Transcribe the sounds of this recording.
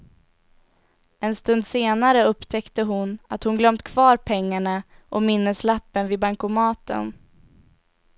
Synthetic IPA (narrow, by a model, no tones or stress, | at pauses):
ɛnst̪ɵnd̪seːnaɾəɵpt̪ʰɛkt̪əɦʊnat̪hʊnɡlœmt̪kʰv̥ɑːɾpʰɛŋːaɳa | ʔɔmɪnːəslapːənvɪbaŋkʊmɑːt̪ə̰n